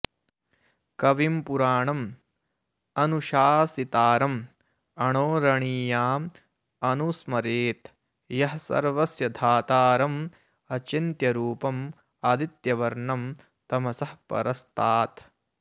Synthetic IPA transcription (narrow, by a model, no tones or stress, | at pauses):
kɐʋimpuɾaːɳɐm | ɐnuʃaːsit̪aːɾɐm | ɐɳoːɾɐɳiːjaːm | ɐnusmɐɾeːt̪ | jɐɦɐsɐ̰ɾʋɐsjɐd̪ʱaːt̪aːɾɐm | ɐt͡ʃint̪jɐɾuːpɐm | ɐd̪it̪jɐʋɐɾɳɐm | t̪ɐmɐsɐhpɐ̰ɾɐst̪ʰaːt̪